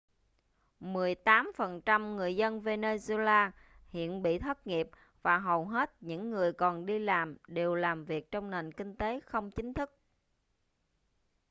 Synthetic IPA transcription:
mɨ˨˩əjt̪aː˨˦mfə˨˩nt͡ɕa˧mŋɨ˨˩əjzə˧nve˧ne˧ze˧laː˧hḭ˧˨ənɓḭ˧˨t̪ʰə˦˥t̚ŋi˨˩əp̚ | vaː˨˩ɦə˨˩wɦe˦˥t̚ɲɨ̰˧˥ŋːɨ˨˩əjkɔ˨˩nɗi˧laː˨˩mɗe˨˩wlaː˨˩mvi˨˩ək̚t͡ɕɔ˧wŋ͡mne˨˩nkï˧ŋ̟t̪e˨˦xə˧wŋ͡mt͡ɕï˨˦ŋ̟t̪ʰɨ˦˥k̚

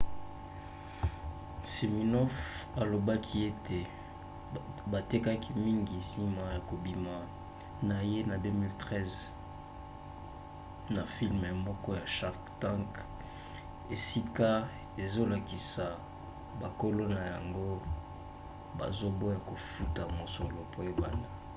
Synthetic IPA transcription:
si˨mi˨nɔ˦fa˨lo˨ba˦kʰi˦e˦tʰe˨ | ba˨te˦ka˦kʰi˦mi˦ŋɡi˨si˦ma˨ja˨ko˨bi˨ma˨ | na˨je˦na˨dø˦mi˦ltʁɛ˦z | na˨fi˦lme˨mɔ˦kɔ˦ja˨ʃa˦ʁktã˦ŋk | e˨si˦ka˦ | e˨zo˦la˨ki˨sa˨ | ba˨ko˦lo˦na˨ja̰˨ŋɡo˦ | ba̰˨zo˦bo˦ja˨ko˨fu˦ta˨mo˨so˨lo˨po˦je˦ba̰˨nda˦

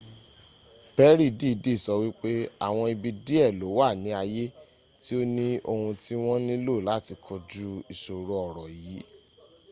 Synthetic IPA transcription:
b̥ɛ˦ɾi˦˨di˦˨di˦˨sɔ˧˦wi˦k͡pe˦a̰˦˨w̃ɔ̃˧i˧bi˧di˦ɛ˦˨lo˨˦wa˦˨nĩ˨˦a˧je˦ | ti˦o˦nĩ˦o˧hũ˧ti˦w̃ɔ̃˦nĩ˦lo˦˨la˨˦˨ti˧kʰɔ˧d͡ʒu˦i˨ʃo˨ɾo˨ɔ˨ɾɔ˨jiː˨˦

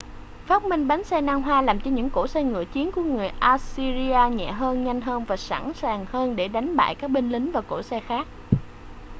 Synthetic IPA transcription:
faː˦˥t̚mï˧ŋ̟ɓa˨˦ŋsɛ˧naː˧ŋɦwaː˧laː˨˩mt͡ɕɔ˧ɲɨ̰˧˥ŋko̰˧˩sɛ˧ŋɨ̰˧˨ət͡ɕi˨˦ənku˧˩əŋɨ˨˩əjʔaː˧si˧zi˧aː˧ɲɛ̰˧˨ɦəː˧nɲa˧jŋ̟ɦəː˧nvaː˨˩sa̰˧˥nsaː˨˩ŋhəː˧nɗe˧˩ɗa˨˦jŋ̟ɓa̰ː˧˨jkaː˦˥k̚ɓï˧ŋ̟lï˨˦ŋvaː˨˩wko̰˧˩sɛ˧xaː˦˥k̚

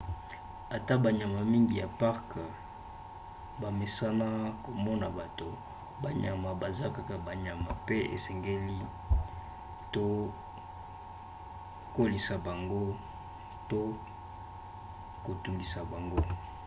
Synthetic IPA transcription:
a˨ta˦ba˨ɲa˨ma˨mi˦ŋɡi˨ja˨pa˦ʁk | ba˨me˨sa˦na˦ko˨mɔ˦na˨ba˨to˨ | ba˨ɲa̰˨ma˨ba˨za˦ka˨ka˨ba˨ɲa˨ma˨pe˦ḛ˨sɛ˨ŋɡe˦li˦ | to˦ | ko˦li˨sa˨ba˨ŋɡo˦ | to˦ | ko˨tu˨ndi˨sa˨ba˨ŋɡo˦

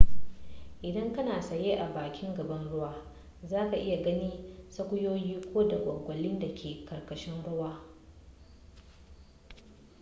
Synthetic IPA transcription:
ʔɪ˨dɐ˦ŋkɐ˦naː˨sɐ˨jeː˦ʔa˨baː˨kʲɪ˦ŋɡɐ˨bɐ˦nɽʊ˦waː˦ | zaː˦ka˨ʔɪ˦ja˨ɡɐ˦niː˦sɐ˦kʷʊ˦joː˦jiː˦kʷoː˦da˨ɡʷɐ˨ɡʷɐ˨lɪ˦nda˨kʲʰeː˨kɐ˨rkɐ˨ʃɪ˦nɽʊ˦waː˦

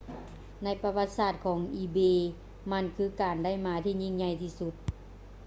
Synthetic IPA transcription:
na˧˥˩jpa˧wa˧t̪̚saː˧˩t̪̚kʰɔː˩˦ŋʔiː˧˩beː˧ | ma˧˥˨nkʰɯː˧˥˨kaː˨˩nda˥˩jmaː˧˦t̪ʰiː˧˨ɲi˧˩ŋɲa˧˩jt̪ʰiː˧˩su˧t̪̚

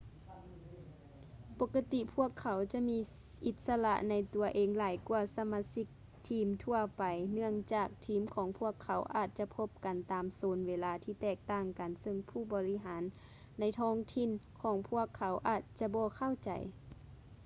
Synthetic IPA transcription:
po˧kːa˧t̪i˧˨pʰu˧˥˩əkʰːa˨˦wt͡ɕa˧miː˧˥ʔi˧˩t̪̚sa˧la̰˧ʔna˧jt̪u˨ɐʔeː˨ŋlaː˨˦jku˧ɐsa˧ma˧si˧˥k̚ | t̪ʰiː˧˥mt̪ʰu˧ɐpa˨jnɯ˧˩əŋt͡ɕaː˨˩k̚t̪ʰiː˨˦mkʰɔː˨˦ŋpʰu˧˥˩əkʰːa˨˦wʔa̰ː˨˧˩t̪̚t͡ɕa˧˨pʰo˧˥p̚ka˨nt̪aː˨msoː˨˦nweː˧laː˧˦t̪ʰiː˧˩t̪ɛː˧˩k̚t̪aː˧˩ŋka˨nsɤ˧ŋpʰuː˧˩bɔː˨˦li˧˥ɦaː˨˦nː | a˧˥jt̪ʰɔː˧˥ŋt̪ʰi˧˥˨nkʰɔː˨˩˦ŋpʰu˧˥˩əkʰːa˨˦wʔaː˨˩t̪̚t͡ɕa˧˦bɔː˧kʰa˧˥˨wt͡ɕa̰˨j

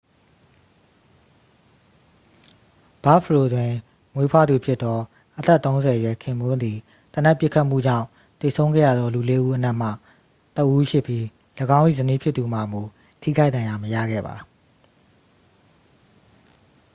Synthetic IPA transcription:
b̥a˦fʰəɹo˨dwɪ̃˨ | ŋwe˦pʰwa˦˨d̪u˨pʰjɪ˦t̪t̪ːɔ˦ | ʔət̪ɛ˦ʔt̪ːõ˦ʊ̃zɛ˨jwɛ˨kʰɪ̃˨mʊ̃˦nd̪i˨ | t̪ə˨na˦˨pjɪ˦ʔkʰːa˦ʔm̥ṵ˦˨d͡ʑã̰˦˨ʊ̃ | t̪e˨sʰõ˦ʊ̃ŋɡɛ̰˦˨ja̰˦˨d̪ðɔ˦lu˨le˦ʔu˦ʔəna˦ʔm̥a̰˦˨ | t̪ə˦ʔu˦ʃʰɪ˦ʔpji˦ | ləɡã˦ʊ̃ʔḭ˦˨zəni˦pʰjɪ˦t̪ːu˨ma˨mo˨ | tʰḭ˦˨kʰa˦ɪt̪ã˨ja˨məja̰˦˨ɡɛ̰˦˨ba̰˨

